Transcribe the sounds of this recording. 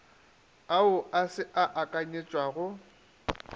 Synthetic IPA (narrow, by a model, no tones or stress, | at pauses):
aʊʔasɪʔaʔakʼaɲet͡ʃʼwaɣʊ